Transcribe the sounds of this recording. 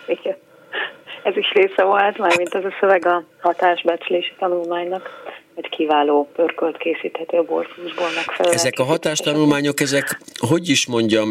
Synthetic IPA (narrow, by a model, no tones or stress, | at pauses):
iɡɛn | ɛziʃreːsɛvolt̪maɡmint̪ɛzɒsøvɛɡɒhɒt̪aːʒbɛt͡ʃleːʃi̥t̪ɒnulmaːɲnɒkɒckiːvaːloːpørkølt̪keːsiːt̪hɛt̪øːbo̰rfuuʒboːlmɛkfɛɛzɛkɒɦɒt̪aːʃt̪ɒnulmaːɲo̞kɛzɛkɦo̞ɟiʃmo̞ɲɟɒm